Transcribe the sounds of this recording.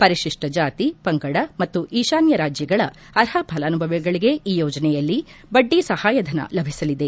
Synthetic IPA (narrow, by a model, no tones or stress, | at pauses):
pɐɾiʃiʂʈɐd͡ʒaːt̪ipɐŋɡɐɽɐmɐt̪ːuʔiːʃaːnjɐɾaːd͡ʒjɐɡɐɭɐ | ɐɾɦɐbʱɐlɐːnubʱɐʋɛɡɐɭiɡe̞ʔiːjoːd͡ʒɐnɛjɐlːibɐɖːisɐhaːjɐd̪ʱɐnɐ̰lɐbʱisɐlid̪e̞